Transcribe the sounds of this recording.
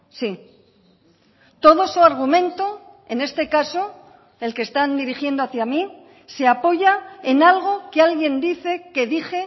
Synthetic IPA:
si | t̪o̞ð̞osoaɾɣ̞umẽ̞nt̪o | e̞ne̞st̪e̞kaso̞ | e̞lkest̪and̪iɾixje̞nd̪oaθjami | se̞apo̞ʝae̞nalɣ̞o̞kealɣje̞nd̪iθe̞ke̞ðixe̞

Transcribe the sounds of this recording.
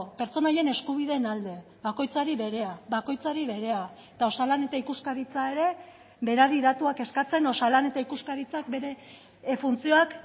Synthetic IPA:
pe̞ɾt͡so̞naje̞ne̞skuβ̞iðe̞ːnald̪e̞ | βako̞jt͡saɾiβe̞ɾe̞aβako̞jt͡saɾiβe̞ɾe̞aet̪ao̞salane̞t̪aikuskaɾit͡sae̞ɾe̞ | βe̞ɾaɾiðat̪uake̞skat͡se̞no̞salane̞t̪aikuskaɾit͡sak̚be̞ɾe̞ | funt͡sio̞ak

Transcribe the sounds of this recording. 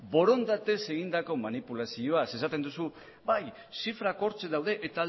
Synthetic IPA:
bo̞ɾo̞nd̪at̪e̞se̞ɣ̞ind̪ako̞manipulasio̞ase̞sat̪e̞nd̪usu | baj | sifɾako̞ɾt͡seðawðe̞ʔet̪a

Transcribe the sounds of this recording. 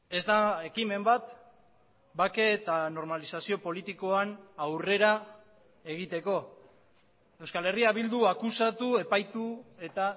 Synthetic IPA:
e̞zd̪ae̞kime̞mbat̪ | bake̞ːt̪ano̞ɾmalisasio̞po̞lit̪iko̞anawre̞ɾa | e̞ɣ̞it̪e̞ko̞ | e̞wskale̞riaβild̪uakusat̪ue̞pajt̪ue̞t̪a

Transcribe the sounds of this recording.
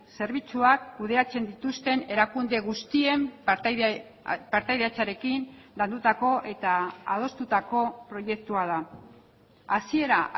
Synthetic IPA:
se̞ɾβ̞it͡suakːuð̞e̞at͡se̞nd̪it̪ust̪e̞ne̞ɾakund̪e̞ɣust̪ie̞m | paɾt̪ajðeat͡saɾe̞kinland̪ut̪ako̞ʔe̞t̪aa̰ð̞o̞st̪ut̪ako̞pɾo̞je̞k̚t̪uað̞a | asie̞ɾa

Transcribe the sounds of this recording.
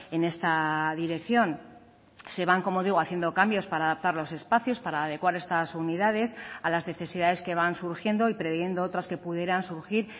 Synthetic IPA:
e̞ne̞st̪aðiɾe̞kθjo̞n | se̞βaŋko̞mo̞ð̞iɣ̞oaθje̞nd̪o̞kambjo̞spaɾaːðap̚t̪aɾlo̞se̞spaθjo̞spaɾaːðe̞kwaɾe̞st̪asuniðað̞e̞salazne̞θe̞siðaðe̞ske̞βansuɾxje̞nd̪o̞ipɾe̞βje̞nd̪oot̪ɾaske̞puðje̞ɾansuɾxiɾ

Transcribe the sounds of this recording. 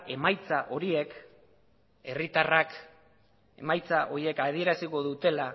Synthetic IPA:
e̞majt͡saʔo̞ɾie̞k | e̞rit̪arak | e̞majt͡saʔo̞ɾie̞kað̞ie̞ɾasiko̞ðut̪e̞la

